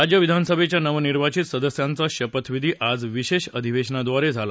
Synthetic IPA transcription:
ɾad͡ʑjəʋid̪ʱansəbʱet͡ɕjanəʋniɾʋat͡ɕit̪səd̪əsjant͡səɕəpət̪ʋid̪ʱiːʔad͡zʋiɕeɕəd̪ʱiʋeɕnad̪ʋaɾed͡zʱala

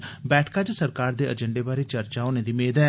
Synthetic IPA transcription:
bɛːʈʰkaːd͡ʒsəɾkaːɾd̪eːʔəd͡ʒəɳɖeːbaːɾiːt͡ʃəɾt͡ʃaːʊneːd̪iːmeːd̪ɛː

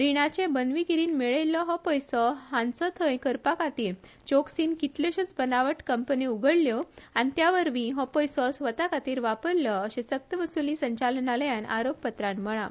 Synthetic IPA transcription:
ɾiɽ̃at͡ɕẽbənʋikiɾiːnmeɭəjlːɔɦɔpɔjsɔɦãnt͡sɔt̪ʰə̃jkəɾpakat̪iːɾ | t͡ɕoksiːnkit̪leɕut͡sbənaʋəʈkəmpəniuɡʱəɽljɔanit̪jaʋəɾʋĩɦɔ̃pɔjsɔsʋət̪akat̪iːɾʋapəɾlɔəɕẽsək̚t̪əʋəsulisəɲt͡ɕalnaləjana̰ɾoppət̪ɾãnm̤əɭ̃a̰

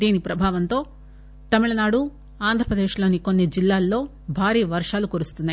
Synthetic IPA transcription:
d̪iːnipɾɐbʱaːʋɐnt̪o̞ː | t̪ɐmiɭɐnaːɽu | aːnd̪ʱɾɐpɾɐd̪e̞ːʂlo̞ːniko̞nːid͡ʒilːaːlːo̞ː | bʱaːɾiːʋɐɾʂaːlukuɾust̪unːaj

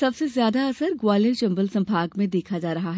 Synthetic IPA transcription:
sɐbsezjaːd̪aɐsəɾɡwaːlet͡ʃɐ̃mbəlsɐ̃mbʱaːɡmẽd̪eːkʰad͡ʒaːɾɐɦaɦɛ

